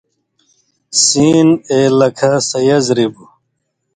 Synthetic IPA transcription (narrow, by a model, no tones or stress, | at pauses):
siːneːlɐkʰasɐjɐzɾibu